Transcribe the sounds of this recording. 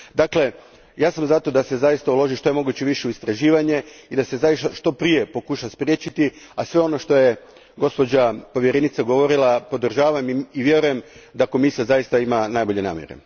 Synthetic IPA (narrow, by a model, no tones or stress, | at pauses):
d̪akle̞ | jaːsamzat̪o̞d̪ase̞zajist̪aulo̞ʒiʃt̪o̞e̞mo̞ɡuːt͡ɕeʋiʃeuist̪ɾaʒiːʋaɲe̞id̪ase̞zajisaʃt̪o̞pɾije̞po̞kuʃaspɾje̞t͡ɕit̪iasʋe̞o̞no̞ʃt̪o̞je̞ | ɡo̞spo̞d͡ʑapo̞ʋje̞ɾenit̪saɡo̞ʋo̞ɾilˠapo̞d̪r̩ʒaːʋamiʋje̞ɾuje̞md̪ako̞misijazajist̪aimanajbo̞ʎe̞na̰ːmjeɾḛ